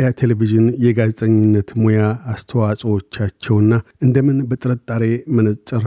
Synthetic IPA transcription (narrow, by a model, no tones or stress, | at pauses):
jat̪ʰeleviʒɨnjɛɡazet̪ʼəɲːɪnːət̪mo̞jaːst̪ʰəwasʼəwo̞t͡ʃːat͡ʃːɛwɨnːaʔɨnd̪əmɨnbət̪ʼɨɾət̪ʼːaɾe̞mənət͡ʃ̪ʼɨɾ